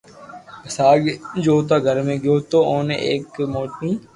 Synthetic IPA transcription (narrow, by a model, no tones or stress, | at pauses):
kəsaːɡd͡ʒoːt̪aːɡʱəɾmẽːɡoːt̪oːoːneeːkmoːʈniː